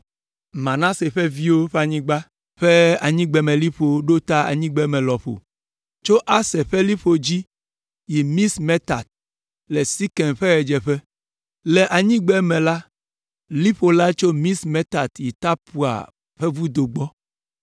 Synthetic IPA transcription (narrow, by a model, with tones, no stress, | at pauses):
mã˨nã˦se˨ɸɛ˦vi˦wo˦ɸe˦a˨ɲĩ˦ɡ͡ba˦ | ɸɛ˦a˨ɲĩ˦ɡ͡bɛ˨mɛ̃˨li˦ɸo˨˦ɖo˦t̪a˦a̰˨ɲĩ˦ɡ͡bɛ˦mɛ̃˨lɔ˨ɸo̰˨ | t͡ʃo˦ʔa˦sɛ˨ɸɛ˦li˦ɸo˨d͡ʑi˦ | ji˨mĩ˦smɛ˦t̪a˨t̪̚ | lɛ˨si˦kɛ˨nɸɛ˦ɣɛ˨d͡ʒɛ˨ɸɛ˦ | lɛ˨ʔa˨ɲĩ˦ɡ͡bɛ˦mɛ̃˨la˦ | li˦ɸo˨la˦t͡ʃo˦mĩ˦smɛ˦t̪a˨t̪ji˨t̪a˦pu˨a̰˨ | ɸɛ˦vu˦d̪o˨ɡ͡bɔ˦